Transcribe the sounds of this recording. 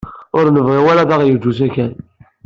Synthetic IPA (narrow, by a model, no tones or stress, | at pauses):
ʊɾnəvʁiwælæðæʁjəd͡ʒːusækæn